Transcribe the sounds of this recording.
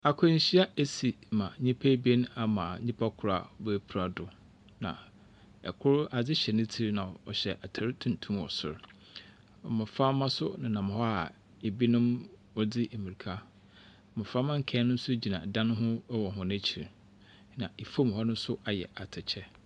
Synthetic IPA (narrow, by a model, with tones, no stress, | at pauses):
a˨kʰʊ˦ɲ̩˨ɕi˦a˦e˦si˨mã˨ɲĩ˦pʰæ˦bi˦e˦ñ˦a˨mã˨ɲĩ˦pʰa˦kʰʊ˨ɾa̰˨˦bɛ˦pʰu˨ɾa˨dʊ˨ | nã̰˨ | ɛ̰˨kʰʊ˦ɾa˨d͡zɪ˦ɕɛ˨nʊ̃˦tʰi˦ɾi˦nã˨ɔ̰˨ɕɛ˨ʔa˨tʰa˨ɾɪ˦tʰũ˨n˨tʰũ˦mɔ̰˨sʊ̰˨ɾ | mɪ̃˨fa˦mã˦sʊ˦nã˨nã˨mʊ̃˨hɔ˦a̰˨ | e˨bi˦nʊ̃˦m | wɔ˦dɪ˦ʔe˨mi˨ɾi˨kʰa˦˨ | mʊ̃˨fa˦mã˦ŋ̩˨kʰɛ̃˦nʊ̃˦n̩˦sʊ˦d͡ʑi˨nã̰˨dã˦nʊ̃˦ɦʊ̃˦wɔ˨ɦʊ̃˦næ̃˦t͡ɕʰi˨ɾi˨ | nã˨e˨fo˦m˨hɔ˦nʊ̃˦n̩˦sʊ˦ʔa˨jɛ̰˨ʔa˨tʰɪ˨t͡ɕʰɛ˦